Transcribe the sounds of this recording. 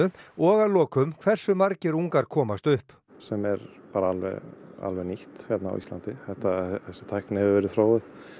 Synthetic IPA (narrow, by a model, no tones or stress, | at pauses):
ʏɔːɣalɔːkʏmkʰv̥ɛr̥sʏmaɾcɪɾuŋkaɾ̥kʰɔːmast̪ʏhp | sɛmɛɾpaːɾaalvɛ̰a̰lvɛniht̪çjɛt̪na̰wḭst̪lant̪ɪθɛht̪aθɛsːɪ̥t̪ʰajknɪhɛvɪɾvɛːɾɪðθɾoːwɪθ